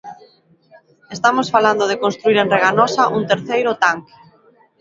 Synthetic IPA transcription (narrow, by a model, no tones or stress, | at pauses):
est̪amosfaland̪oðekonst̪ɾuiɾenreɣanɔsaʔuŋt̪eɾθejɾʊt̪aŋke̥